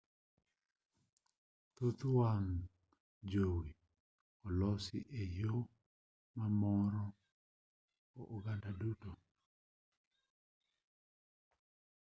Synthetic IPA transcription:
t̪ot̪uwaŋ | d͡ʒowi | ɔlɔsɪ̰ʔejo | mamɔɾɔ | oʔuɡandaduto

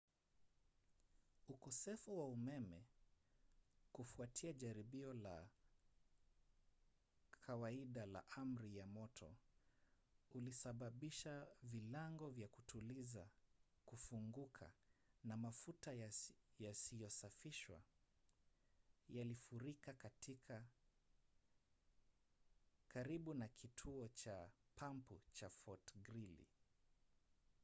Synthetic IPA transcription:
ukɔsɛfuwaumɛmɛ | kufuatʰiaʄaɾiɓiɔla | kʰawaiɗala̰ʔam̩ɾijamɔtʰɔ̰ | ulisaɓaɓiʃavilaŋɡɔvjakutʰuliza | kufuŋɡukʰa̰namafutajasijɔsafiʃwa̰ | jalifuɾikakatika | kaɾiɓunakʰitʰuɔt͡ʃapʰamput͡ʃafɔtɡɾilḭ

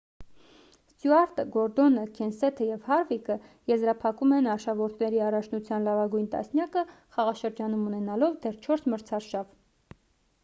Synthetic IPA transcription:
st̪juɑɾt̪əɡɔɾd̪ɔnəkʰɛnsɛt̪ʰəjɛvhɑɾvikəjɛzɾɑpʰɑkumɛnɑɾʃɑvɔɾt̪ʰnɛɾiɑrɑt͡ʃʰnut͡sʰjɑnlɑvɑɡujnt̪ɑ̰snjɑkə | χɑʁɑʃəɾd͡ʒɑnumunɛnɑlɔvd̪ɛrt͡ʃʰɔɾsməɾt͡sʰɑɾʃɑv

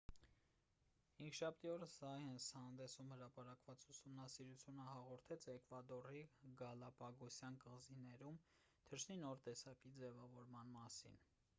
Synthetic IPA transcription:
iŋkʰʃɑp̚ʰt̪iɔɾəsɑhɛnshɑnd̪ɛsumhəɾɑpɑɾɑkvɑt͡susumnɑsiɾut͡sʰjunəhɑʁɔɾt̪ʰɛt͡sɛkvɑd̪ɔriɡɑlɑpɑɡɔsjɑnkəʁzinɛɾum | t̪ʰəɾʃninɔɾt̪ɛsɑkid͡zɛvɑvɔɾmɑnmɑsḭn

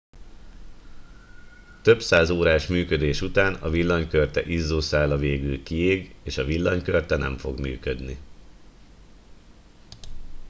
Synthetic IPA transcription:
t̪ø̞bsaːzoːɾaːʃmyːkød̪eːʃut̪aːnɒvilːɒɲkørt̪ɛʔizːoːsaːlɒveːɡylkieːɡeːʃɒvilːɒɲkørt̪ɛnɛ̰ɱfo̞ɡmy̰ːkød̪ni

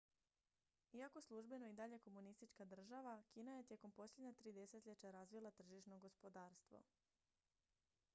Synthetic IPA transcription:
iakoslˠuʒbe̞no̞id̪aʎe̞ko̞munist̪it͡ʃkad̪r̩ʒaʋakiːnaje̞t̪jeko̞mpo̞slʎʲe̞d̪ɲat̪ɾiːd̪e̞se̞t̪ʎet͡ɕaɾazʋilˠat̪r̩ʒiʃno̞ɡo̞spo̞d̪aːɾst̪ʋo̰

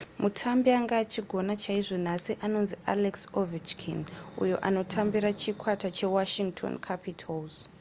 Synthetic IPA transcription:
mutʰambiaŋɡaːt͡ʃiɡʱo̞nat͡ʃaiʐo̞n̤asiʔano̞nziʔa̰leksovit͡ʃkʰḭnṵjo̞̰ʔa̰no̞tʰambiɾat͡ʃikʰwatat͡ʃe̞waʃiŋɡtʰo̰nkʰapitʰalz̥

